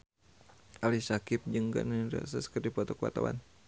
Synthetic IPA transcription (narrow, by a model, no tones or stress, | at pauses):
ʔalisakɪp̚d͡ʒɨŋɡa̰ʔniɾa̰saskərdipɔt̪ɔkəwa̰t̪a̰wa̰n